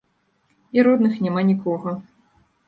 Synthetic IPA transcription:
iɾɔd̪nɨxnʲɛmanʲikɔɣɐ

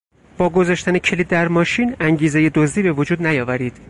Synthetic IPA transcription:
b̥ɒːɡo̞zɒːʃt̪ænecʰe̞liːd̪ːæɾmɒːʃiːnæŋɟiːze̞je̞d̪ozd̪iːbe̞vod͡ʒuːd̪næjɒːvæɾiːd̪̥

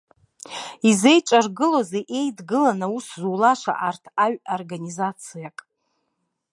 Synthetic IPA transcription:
izejʈ͡ʂʷʼarɡɨlozeʔe̞jdɡɨlanauszulaʂʷa̰ʔartʰaɥorɡanʲizat͡sʰijakʼ

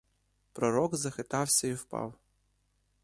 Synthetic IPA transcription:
pɾɔɾɔɡzɐxɪt̪ɑwsʲɐiwpɑ̰w

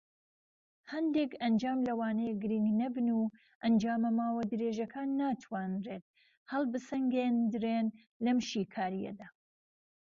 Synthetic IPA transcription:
hɐnd̪ekɐnd͡ʒaːmlɐwaːnɐjɡɨɾiŋɡnɐbɨnuː | ʔɐnd͡ʒaːmɐmaːwɐd̪ɨɾeːʒɐkʰaːnːaːt̪ʰwaːnreːt̪̚ | hɐlˠbɨsɐŋɡeːnd̪ɨɾeːn | lɐmʃiːkʰaːɾijɐ̰d̪aː

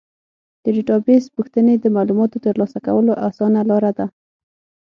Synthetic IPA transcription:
d̪̥əɖiʈɑbespuxt̪əned̪əmɑlumɑt̪ot̪əɾlɑsakawəloʔasɑnalɑɾad̪a

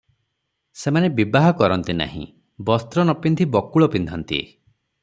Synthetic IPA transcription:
semanebibaɦɔkɔɾɔnt̪ina̰ɦḭ̃ | bɔst̪ɾɔnɔpind̪ʱibɔkuɭɔpind̪ʱɔnt̪ḭ

